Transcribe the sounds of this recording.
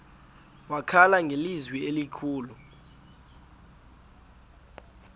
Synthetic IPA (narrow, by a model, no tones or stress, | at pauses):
wakʰalaŋʱelizwielikʰuːlu